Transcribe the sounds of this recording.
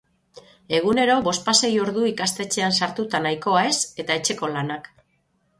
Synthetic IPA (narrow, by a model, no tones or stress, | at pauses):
e̞ɣ̞une̞ɾo̞βo̞spase̞jo̞ɾðuikast̪e̞t͡ʃe̞ansaɾt̪ut̪anajko̞ae̞se̞t̪ae̞t͡ʃe̞ko̞lanak